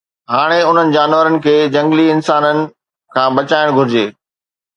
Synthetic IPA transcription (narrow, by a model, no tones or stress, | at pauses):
ɦaːɽ̃eʊn̤ənɪ̆d͡ʑaːnʋəɾənɪ̆kʰeːd͡ʑɐ̃ŋɡliɪnsaːnənɪ̆ | kʰãːbɐt͡ɕaːɪɽ̃ɡʱʊɾɪd͡ʑeː